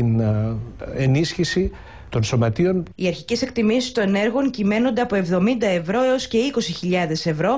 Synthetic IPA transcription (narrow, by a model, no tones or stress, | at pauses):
in | enisçisi | t̪o̞nso̞mɐt̪io̞niɐɾçice̞se̞kt̪imisi̥st̪o̞ne̞ɾɣo̞ŋcime̞no̞nd̪eɐpo̞e̞vðo̞mind̪ɐe̞vɾo̞eosce̞ikosiçiʎɐðe̞se̞vɾo̞